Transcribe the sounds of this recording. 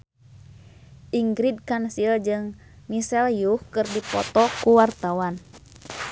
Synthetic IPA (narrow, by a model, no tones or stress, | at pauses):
ʔiŋɡɾid̚kansild͡ʒɨŋ | misɛljuhkɨrdipɔ̰t̪ɔkuwart̪awan